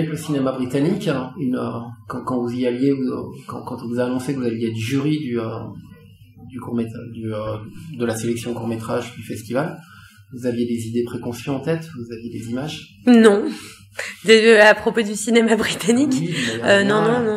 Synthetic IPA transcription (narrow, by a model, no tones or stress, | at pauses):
ɛkləsinemabʁit̪anikynøkɑ̃kɑ̃vuziavjeṵkɑ̰̃kɑ̃t̪ivuzaːnɔ̃sekvuzavjed̪yʒyʁid̪yø | d̪ykuʁmet̪d̪yød̪əlaselɛksjɔ̃kuʁmet̪χaʒd̪yfɛst̪ival | vuzavjed̪ezid̪epχekɔ̃sjyɑ̃t̪ɛt̪vuzavjed̪ezimaʒ | nɔ̃ | d̪ɛapχopod̪ysinemabʁit̪anikiønɔ̃nɔ̃nɔ̃